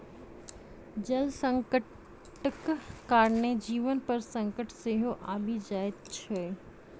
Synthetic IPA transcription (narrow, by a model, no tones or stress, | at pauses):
d͡ʒɐlsə̃ŋkə | ʈəkkaːɾned͡ʒiːʋənpɐɾsɐ̃ŋkəʈseːɦoʔa̰ːbʱid͡ʒaːɪd̪̚t͡ʃʰeː